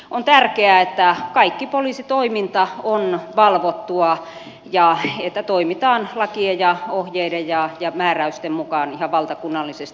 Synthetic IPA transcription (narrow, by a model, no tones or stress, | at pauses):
ont̪ærkeæet̪ːækɑikːipoliːsit̪oimint̪ɑonʋɑlʋot̪ːuɑ | jɑet̪ːæt̪oimit̪ɑːnlɑkiejɑohjeidejjɑjɑmæːræyst̪emmukɑːnihɑʋʋɑlt̪ɑkunːɑlːisest̪i